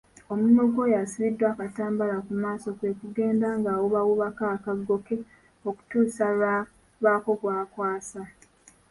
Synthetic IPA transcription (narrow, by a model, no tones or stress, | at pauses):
o̞munoɡo̞jasiβidːwaːkataːmbalakumaːso̞kwe̞kuɡe̞ːndaŋɡaːwuβawuβakakaɡːo̞ke̞ | o̞ku̥tuːsaa | βaːko̞kwaːkwaːsa